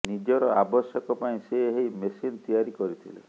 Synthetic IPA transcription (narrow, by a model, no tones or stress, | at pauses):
nid͡ʒɔɾɔabɔsjɔkɔpaĩseɦejmesint̪ijaɾikɔɾit̪ʰilḛ